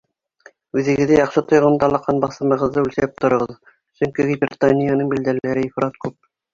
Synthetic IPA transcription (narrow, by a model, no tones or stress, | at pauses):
ʉðɘ̆ɡɘ̆ðæjɑqʃɤt̪ŏjʁɤ̆md̪ɑlˠɑqːɑnbɑθɤ̆mɤ̆ʁɤ̆ðːɤʉlsæp̚t̪ŏɾɤ̆ʁɤð | sɵŋkiɡʲibʲrʲt̪anʲijanɤɴbild̪ælæɾɘifɾɑt̪kʉp̚